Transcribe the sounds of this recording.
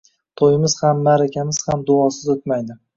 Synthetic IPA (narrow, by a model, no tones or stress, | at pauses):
t̪ʰojɪmɪz̥hamːaɾakʲʰamɪz̥hamd̪ʊɒsɪzɵt̪majd̪ɪ